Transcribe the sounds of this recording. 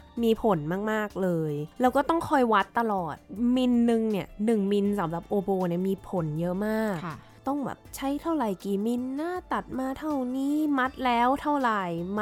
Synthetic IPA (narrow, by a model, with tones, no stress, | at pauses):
miː˧pʰo˩˦nmaː˥˩k̚maː˥˩k̚lɤː˧jlɛː˦˥wkɔː˥˩t̪ɔ˥˩ŋkʰɔ˧˥˩jwa˦˥t̪ːa˧lɔː˨˩t̪̚mi˧nːɯ˧ŋni˥˩ɐnɯ˨˩ŋmi˧nsa˩˦mɾa˨˩p̚ʔoː˧boː˧ni˥˩miː˧pʰo˨˩˦njɤ˦˥ʔmaː˥˩k̚ | t̪ɔ˥˩ŋbɛ̰ː˨˩p̚t͡ɕʰa˦˥˩jt̪ʰa˥˩wɾa˨˩jkiː˨˩mi˧nːaː˥˩t̪a˨˩t̪̚maː˧t̪ʰa˥˩wniː˧˥˩ma˦˥t̪̚lɛː˦˥wt̪ʰa˥˩wɾa˨˩jma˦